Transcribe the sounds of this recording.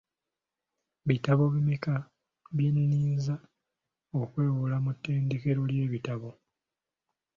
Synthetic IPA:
βitaβo̞βimeka | βjenniːnza | okwe̞ːwulamutːe̞ːnde̞ke̞ɾo̞lje̞ːβitaβo̞

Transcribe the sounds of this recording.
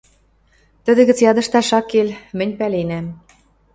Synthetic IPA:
t̪ə̆d̪ɘ̆ɣə̆t͡sjɑd̪ɤ̆ʃt̪ɑʃɑkelmɘ̆nʲpælenæm

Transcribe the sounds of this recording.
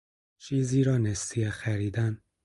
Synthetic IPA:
t͡ʃʰiːziːɾɒːnest̪ijexæɾiːd̪æn

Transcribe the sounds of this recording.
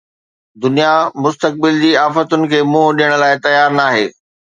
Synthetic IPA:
d̪ʊnijamʊst̪ək̚bɪld͡ʑiːaːfət̪ʊnɪ̆kʰeːmũːɦɗijəɽ̃ʊ̆laːɪt̪ɐjaːɾnaːɦḛː

